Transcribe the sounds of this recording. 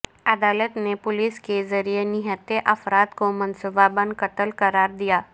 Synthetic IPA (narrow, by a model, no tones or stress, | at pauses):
ɐd̪aːlət̪nepʊlɪskezɐɾijenɪɦət̪eʔɐfɾaːt̪komɐnsʊbabə̃nd̪̚kɐt̪əlkɐɾaːɾd̪ijaː